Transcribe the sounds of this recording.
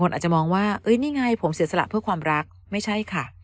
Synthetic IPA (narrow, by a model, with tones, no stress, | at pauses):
o˧nʔaː˨˩t̚t͡ɕa˨mɔː˧ŋwaː˥˩ʔɤ˦˥jniː˥˩ŋa˥˩jpʰo˩˦msi˨˩˦sa˧la̰˨˩ʔpʰɯ˥˩kwaː˧mɾa˦˥k̚ | ma˥˩jt͡ɕʰa˥˩jkʰa˥˩